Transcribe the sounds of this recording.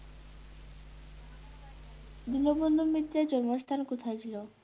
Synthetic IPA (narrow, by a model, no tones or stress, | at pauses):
d̪inobond̪ʱumit̪ɾad͡ʑɔɾmost̪ʰankot̪ʰajt͡ʃʰilo